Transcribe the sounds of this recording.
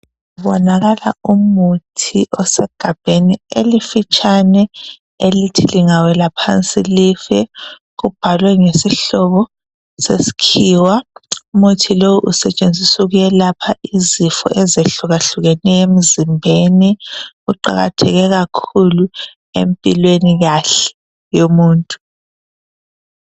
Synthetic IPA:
βɔnaɣala̰umutʰiʔɔsɛɡ̥ʱab̥ʱenielifit͡ʃʼanɛ | elitʰiliŋawɛlapʰant͡sʼilifɛ | ɣub̥ʱalwɛŋesiɬɔβɔ | sesi̥kʰiːwaumutʰilowuʔusɛt͡ʃʼend͡zʱisuɣujɛlapʰaʔizifɔ̰ʔɛzeɬuɣaɬuɣɛnɛem̩zimbʱeniɣuǃa̰ɣa̰tʰɛ̰ɣɛɣakʰulu | ḛmpʼilweniɣaɬɛ̥ | jomuːntʼu̥

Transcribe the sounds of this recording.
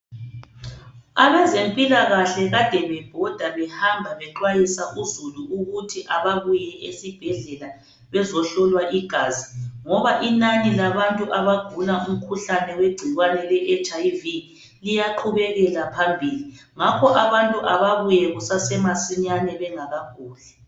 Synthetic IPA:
aβɛzempʼilaɣaɬɛɣad̥ʱɛβɛb̥ʱɔd̥ʱaβɛhambʱaβɛǃwajisaʔuzuluuɣutʰiʔaβaβujɛʔesib̥ʱɛɮɛla | βɛzɔɬɔlwaʔiɡ̥ʱaːziŋɔβaʔinanilaβantʼuʔaβaɡ̥ʱulaʔum̩kʰuɬanɛweɡ͡ǀ̥ʱiɣwanɛlɛʔɛt͡ʃʼajvi | lijaǃʰuβɛɣɛlapʰambʱili | ŋakʰɔʔaβantʼuʔaβaβujɛɣusasɛmasiɲanɛβɛŋaɣakuːlɛ

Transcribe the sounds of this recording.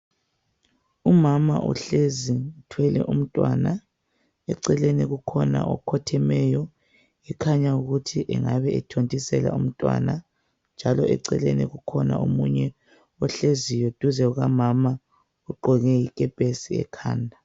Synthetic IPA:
umamaʔṵɬeziutʰwɛlɛʔum̩tʼwana | ɛǀɛleniɣukʰɔna̰ʔɔkʰɔtʰɛmɛjɔ | ikʰaɲauɣutʰiʔɛŋaβɛɛtʰontʼisɛla̰um̩tʼwa̰na | nd͡ʒʱalɔɛǀɛlḛniɣukʰɔna̰ʔomuɲɛ | ɔɬezijod̥ʱuzɛuɣamama | uɡ͡ǃɔɣɛikʼɛpʼesiɛ̰kʰaːndʱa

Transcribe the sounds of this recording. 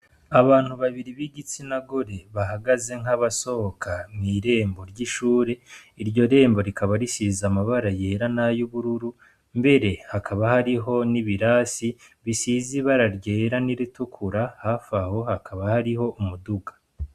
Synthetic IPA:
aβaːn̥huβaβiɾiβiɡit͡sinaɡo̞ɾe̞βaɦaɡaze̞ŋaβaso̞hokʰamŋiːɾe̞ːmbo̞ɾɟiʃuːɾe̞iɾɟo̞ɾe̞ːmbo̞ɾikʰaβaɾisiːzamaβaɾaje̞ːɾanajuβuɾuɾu | mbe̞ɾe̞hakʰaβahaɾiɦo̞niβiɾaːsiβisiːziβaɾaɾɟe̞ːɾaniɾitukʰuɾahaːfaho̞hakʰaβahaɾiho̞ʔumuduɡḁ

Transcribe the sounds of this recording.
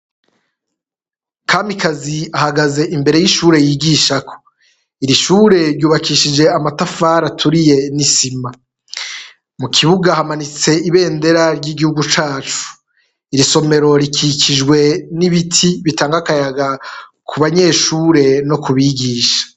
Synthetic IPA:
kʰaːmikaziahaɡaze̞ʔimbe̞ɾe̞jiʃuːɾe̞jiːɡiːʃakʰo̥ | iɾiʃuːɾe̞ɾɟuːβakiʃid͡ʒe̞amatafaːɾatʰuɾije̞nisima | mukʰiβuɡahamanit͡se̞iβe̞ːnde̞ɾaɾɟiɡihuɡut͡ʃaːt͡ʃu̥ | iɾiso̞me̞ɾo̞ɾikʰikid͡ʒɡwe̞niβitʰiβitaːŋɡakajaɡakʰuβaɲe̞ːʃuːɾe̞no̞kuβiɡiːʃḁ

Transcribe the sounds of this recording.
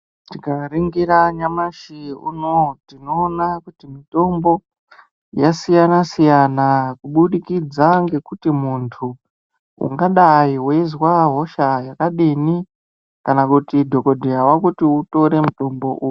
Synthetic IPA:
tikariŋɡiɾaɲamaʃiṵnotinoːnakutimito̞mbo̞ | jasijanasijanakuɓuɗikid͡zaŋɡe̞kutimuntʰu | ṵŋɡaɗaiwezwaɦo̞ʃajakaɗini | kanakutidʱo̞ko̞dʱijawakutiuto̞ɾe̞muto̞mbo̞̰ʔuju

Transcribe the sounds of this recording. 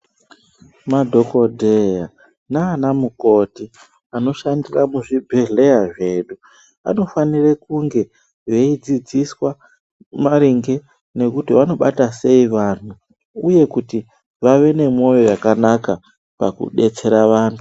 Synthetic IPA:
madʱo̞ko̞dʱeja | naːnamuko̞ti | ano̞ʃandiramuʐibʱe̞ɮe̞jaʐe̞ːɗu | a̰no̞fanirekuŋɡe̞ | ʋe̞id͡zid͡ziswa | maɾiŋɡe̞ | ne̞kutiʋano̞ɓatase̞iʋan̤u | uje̞kuti | ʋaʋe̞ne̞mo̞jo̞jakanaka | pakṵɗe̞t͡se̞ɾaʋaːntʰu

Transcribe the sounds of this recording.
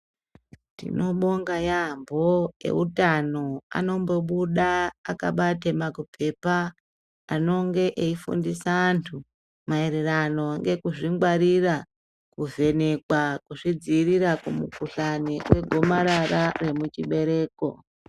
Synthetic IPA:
tḭno̞ɓo̞ŋɡajambo̞je̞̰utano̞a̰no̞mbo̞ɓuɗaːkaɓatemakupʰe̞paː | no̞ŋɡe̞ʔeifṵndisaːntʰu | maeɾerano̞ŋɡe̞kuʐiŋɡwaɾira | kuve̞ne̞kwakuʐid͡ziːɾiɾakumṵkuɬaniwe̞ɡʱo̞maɾaɾare̞mut͡ʃiɓe̞ɾe̞ːko̞̰

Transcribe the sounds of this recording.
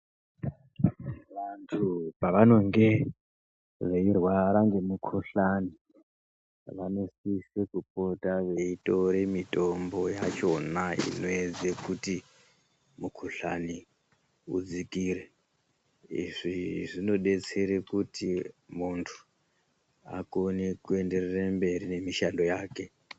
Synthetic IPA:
ʋantʰupaʋano̞ŋɡe̞ | ʐeirwaɾaŋɡe̞mukʰuɬani | ʋanosisekupo̞taʋe̞ito̞ɾe̞mito̞mbo̞jat͡ʃo̞naḭno̞ed͡zekuti | mukʰuɬa̰ni | ṵd͡zikiːɾe̞ | ḭʐiʐino̞ɗe̞t͡se̞ɾekutimuntʰu̥ | a̰konekue̞nde̞rerembe̞ɾine̞miʃalo̞jaːke̞

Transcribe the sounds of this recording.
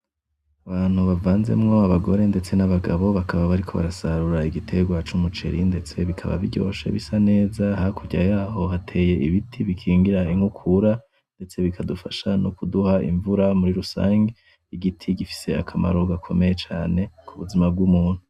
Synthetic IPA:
aβaːn̥huβavaːnze̞̰mŋo̞aβaɡo̞ɾe̞nde̞t͡se̞naβaɡaβo̞βakʰaβaβaɾikʰo̞̰βa̰ɾasaɾuɾaiɡitʰe̞ɡwat͡ʃumut͡ʃe̞̰ɾinde̞t͡se̞βikʰa̰βa̰βḭɟo̰ːʃḛβisane̞ːzahakʰuɟajaːɦo̞ɦatʰe̞ːje̞iβitʰiβikʰiːŋɡiɾaiŋhukʰuɾa | nde̞t͡se̞βikʰadufaʃanukuduhaḭɱvuɾamuɾiɾusa̰ːŋɡe | iɡitʰiɡifi̥se̞akʰama̰ɾo̞ɡakʰo̞̰me̞jet͡ʃaːne̞kʰuβuzimab̚ɡumuːn̥hu

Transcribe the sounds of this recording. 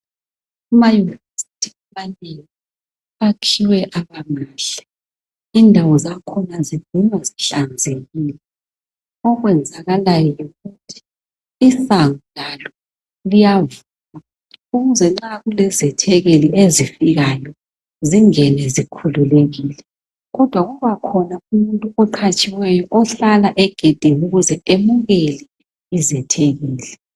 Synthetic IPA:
umajunivesitʰiamaneŋi | akʰiwɛʔaβamaːɬɛ̥ | indʱawɔzakʰɔnazivunwaziɬand͡zʱeɣiːlɛ | ɔɣwɛnd͡zʱaɣalajɔjuɣutʰi̥ː | saŋulalɔ | lijavuːma | uɣuzɛŋ͡ǁaɣulɛzɛtʰɛɣeliezifiɣajɔ | ziŋɛnɛzikʰululeɣilɛ | ɣɔd̥ʱwaɣuβakʰɔnaumuntʼuɔǃʰat͡ʃʼiwɛjɔʔɔɬalaʔɛɡ̥ʱed̥ʱeŋuɣuzɛemuɣeli | izɛtʰeɣiːlɛ

